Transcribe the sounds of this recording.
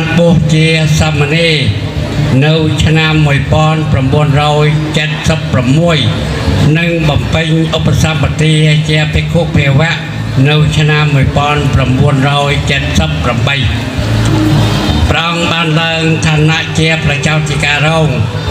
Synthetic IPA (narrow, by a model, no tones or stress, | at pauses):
npʊəht͡ɕiəsamːəneː | nɨwt͡ɕʰnamːuəjpŏənpramɓuənrɔːjt͡ɕət̪̚səpːramːuəj | nɨŋɓɑmpɨɲʔopːasap̚ɓat̪iət͡ɕiəpʰiəkʰuʔpʰiəʋɛ̆əʔ | nɨwt͡ɕʰnamːuəjpŏənpramɓuənrɔːjt͡ɕət̪̚səpːramɓəj | prɛʔɑŋɓaːnlaəŋt̪ʰaːnːaʔt͡ɕiəprɑt͡ɕaɔt̪̚ʰikaːrɔːŋ